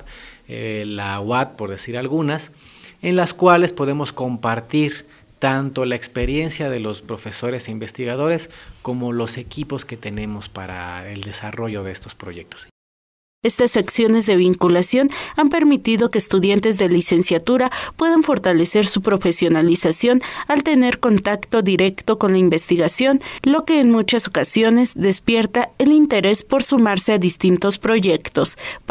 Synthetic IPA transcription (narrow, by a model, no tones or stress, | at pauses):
lawat̪̚po̞ɾðesiɾalɣunasenlaskwale̞spo̞ðe̞mo̞sko̞mpaɾt̪iɾ | t̪ant̪o̞laekspe̞ɾje̞nsjaðe̞lo̞spɾo̞fe̞so̞ɾe̞seimbe̞st̪iɣað̞o̞ɾe̞sko̞mo̞lo̞se̞kipo̞ske̞t̪enẽ̞mo̞spaɾa̰eld̪e̞saro̞ʝo̞ðe̞est̪o̞spɾo̞ʝe̞k̚t̪o̥s | e̞st̪asaksjo̞ne̞zðe̞β̞iŋkulasjo̞nampe̞ɾmit̪iðo̞keːst̪uðjant̪e̞zðe̞lise̞nsjat̪uɾapwe̞ðaɱfo̞ɾt̪ale̞se̞ɾsupɾo̞fe̞sjo̞nalisasjo̞nalt̪e̞ne̞ɾko̞nt̪akt̪o̞ðiɾe̞kt̪o̞ko̞nlaimbe̞st̪iɣasjo̞nlo̞ke̞ːnmut͡ʃaso̞kasjo̞ne̞zðe̞spje̞ɾt̪aelint̪e̞ɾe̞spo̞ɾsumaɾse̞aðist̪int̪o̞spɾo̞ʝe̞kt̪o̞s